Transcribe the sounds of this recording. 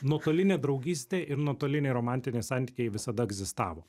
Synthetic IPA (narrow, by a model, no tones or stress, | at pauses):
nuɔt̪oːlʲɪnʲeːd̪ɾɒʊɡʲiːsʲt̪ʲeːʔɪɾnoɔt̪oːlʲɪnʲɛɪɾoːmɑnʲt̪ʲɪnʲɛɪsɑnt̪ʲi̥ːkʲɛɪʋʲɪsɐd̪ɐɛɡzʲɪst̪ɑ̰ːʋoː